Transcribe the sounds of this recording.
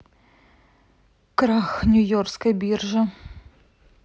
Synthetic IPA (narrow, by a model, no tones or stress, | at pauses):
kɾaxnʲʊjɔrskɐjbʲirʐɐ